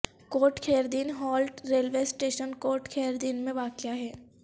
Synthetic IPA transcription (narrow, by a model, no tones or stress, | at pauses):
koːʈkʰeːɾd̪iːnɦɔːlʈɾeːlʋeːsʈeːʃənkoːɾʈkʰeːɾd̪iːnmẽʋaːkjaɦɛː